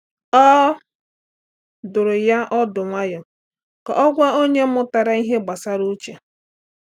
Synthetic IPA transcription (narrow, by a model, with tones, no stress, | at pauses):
ɔ˦ | dʊ˨ɾʊ˨ja˦ʔɔ˦dʊ˨ŋʷa˦jɔ˨ | ka̰˨ʔɔ˦ɡʷa˦o˦ɲe˦mʊ˦ta˨ɾa˦i˦ɦe˦ɡ͡ba˨sa˦ɾu˦t͡ʃe˨